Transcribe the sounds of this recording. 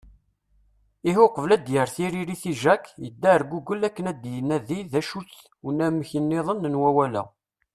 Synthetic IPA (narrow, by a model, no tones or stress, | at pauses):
iɦʊqəvlæd̪jəɾθiɾiɾiθiʒækːjəd̪ːæɾɡuɡəlːækːənæd̪jənæðiðæʃut͡sː | ənæmçənːɪðˤənːənwæwælæ̰